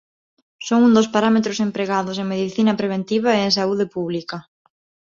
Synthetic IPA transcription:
soŋund̪ospaɾamet̪ɾʊsempɾeɣaðʊseŋmeðiθinɐpɾeβ̞ent̪iβ̞aeeŋs̬auðɪpuβlikɐ

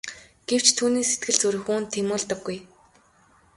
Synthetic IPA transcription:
ɡ̥ew̥t͡ɕt̪ʰuːniːset̪̚ɡɘ̆ɮt͡sɵɾɵ̆xuːnt̪ʰːemʊːɮt̪ə̆ɡːuj

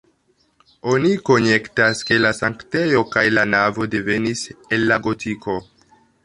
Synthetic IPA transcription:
o̞niko̞ne̞ktaske̞lasaŋkte̞jo̞kajlanavo̞de̞ve̞nise̞lːaɡo̞tʰiko̞

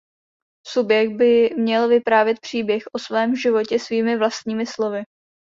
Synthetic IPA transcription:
subjɛɡ̪̚bɪmɲɛlvɪpɾaːvjɛt̪̚pr̝̥iːbjɛxʔo̞svɛːmʒɪvo̞cɛsviːmɪvlast̪̚ɲiːmɪslo̞vɪ

